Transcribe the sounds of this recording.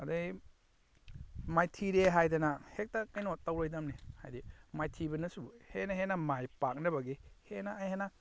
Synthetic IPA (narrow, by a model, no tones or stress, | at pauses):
ɐdɐ | majtʰiɾeɦajdɐnɐhek̚tɐkɐjnotːɐwlojdɐmniha̰jdimajtʰibɐnɐsuhenɐɦenɐmajpak̚nɐbɐɡihenɐːjhenɐ